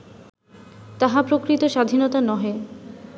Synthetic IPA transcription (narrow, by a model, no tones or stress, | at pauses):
t̪aɦapɾokɾit̪oʃad̪ʱinot̪anɔɦe